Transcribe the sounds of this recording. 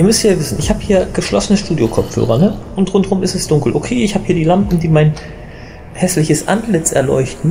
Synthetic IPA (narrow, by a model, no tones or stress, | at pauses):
ʔiːɐmʏsthiːɐvɪsn̩ʔɪçhaːbəhiːɐɡ̥əʃlɔsənəʃtuːdjokʰɔp͡fhø̰ːʁɐnəʔʊntʁʊntʁʊmɪstɛsd̥ʊŋkl̩ʔokʰeːɪçhaːbə̥hiːɐdiːlampm̩d̥iːmaɪn | hɛslɪçəsʔa̰ntlɪt͡sɛ̰ɐlɔ̰ʏçtn̩